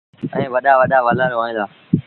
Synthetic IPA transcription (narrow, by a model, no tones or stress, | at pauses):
ɛ̰̃ːʋəɗaːʋəɗaːʋalaːɾoaːĩːd̪aː